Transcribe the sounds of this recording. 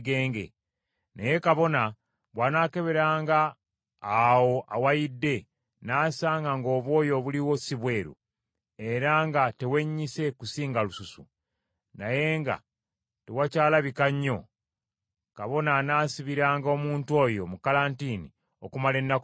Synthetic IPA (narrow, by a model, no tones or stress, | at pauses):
ɡeːŋɡḛ | neje̞kaβo̞na | βwanaːke̞βe̞ɾaːŋɡaː | wo̞ʔawajidːe̞ | naːsaːŋɡaŋɡo̞ːβwo̞ːjo̞βuliwo̞siβwe̞ːɾṵ | e̞ɾaŋɡate̞we̞ɲːise̞kusiːŋɡalususṵ | naje̞ŋɡa̰ | tewacaːlaβikaɲːo̞ | kaβo̞nanaːsiβiɾaːŋɡo̞ːmuːntwo̞jo̞mukalaːntini | o̞kumale̞nːa